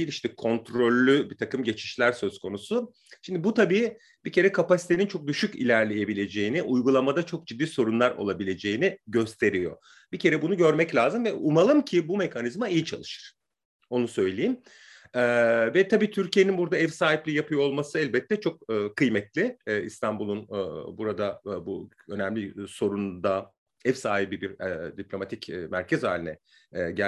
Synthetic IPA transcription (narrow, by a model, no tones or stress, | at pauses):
ilʲiʃt̪ʰɛkʰo̞nt̪ɾo̞lʲːybit̪ʰakɯmɟe̞t͡ʃʰi̥ʃlʲæɾsø̞zkʰo̞nusu | ʃimd̪ibut̪ʰabiː | b̥icʰe̞ɾɛkʰapasi̥t̪ʰe̞nint͡ʃʰo̞k̚d̪yʃycḭlʲæɾlʲe̞je̞bilʲe̞d͡ʒe̞jiniʔujɡulˠamad̪at͡ʃʰo̞k̚d͡ʒid̪ːiːso̞ɾunlˠaɾo̞̰lˠabilʲe̞d͡ʒe̞jiniɟø̞st̪ʰe̞ɾijo̞̰ | b̥icʰe̞ɾɛbunuɟø̞ɾmɛclʲaːzɯmvɛumalˠɯmcʰibume̞kʰanizmaijit͡ʃʰalˠɯʃɯ̥ɾ̥ | o̞nusø̞jlʲejim | ɛːvɛt̪ʰabiːt̪ʰyɾcije̞ninbuɾd̪aɛvsaːɦiplʲijapʰɯjoolˠmasɯɛlʲbɛt̪ʰːɛt͡ʃʰo̞k̚ːkʰɯjmɛt̪lʲɪḭst̪ʰanbulˠunbuɾad̪abu | ø̞nɛmlʲiso̞ɾund̪a | ɛvsaːɦibibiɾɛd̪ipʰlʲo̞mat̪ʰicːmæɾcʰɛzha̰ːlʲinɛ̰ | ɟæ